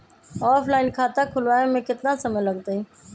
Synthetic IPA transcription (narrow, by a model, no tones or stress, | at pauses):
ɔːpʰlaːɪnkʰaːt̪ãkʰʊlʋaːemẽkɪt̪nãsəməjləɡ̚t̪əiː